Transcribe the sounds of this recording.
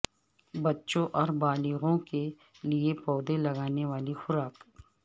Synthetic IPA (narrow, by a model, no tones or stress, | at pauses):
bɐtːʃõʔɔːɾbaːliɣõke | liepɔːd̪elɐɡaːneʋaːlixʊɾaːk